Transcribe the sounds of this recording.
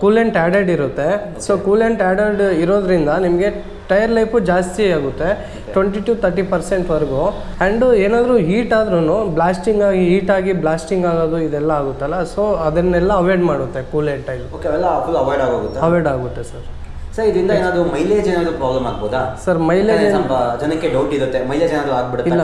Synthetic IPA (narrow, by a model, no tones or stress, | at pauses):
kuːleɳʈaːɖeɖiɾut̪ːe̞soːkuːleɳʈaːɖeɖiɾo̞ːd̪ɾind̪ɐnimɐɡe̞ | ʈɐjɐɾlɐjpud͡ʒaːst̪iaːɡut̪ːe̞ | ʋeɳʈiʈuːt̪ʰɐɾʈipɐɾse̞ɳʈʋɐɾɡu | ɐɳɖeːnaːd̪ɾuɦiːʈaːd̪ɾunublaːsʈiŋɡaːɡiɦiːʈaːɡiblaːsʈiŋɡaːɡoːd̪uid̪ɛlːɐaːɡut̪ːɐlːɐsoːɐd̪ɐnɛlːɐːʋeɾɖmaːɽut̪ːe̞kuːleɳʈɐɡiuokeɐʋɛlːɐfulɐʋaːɾɖaːɡaːɡut̪ːeɐʋeɾɖaːɡut̪ːesɐɾ | sɐɾid̪ɾind̪ɐeːnaːd̪umɐjleːd͡ʒeːnaːd̪upɾaːblɐmaːɡ̚boːd̪a̰sɐɾmɐjleːd͡ʒenɐɐd͡ʒɐnɐkːeɖɐwʈiɾut̪ːemɐjleːd͡ʒenaːd̪uaːɡ̚biɽutiːelːɐ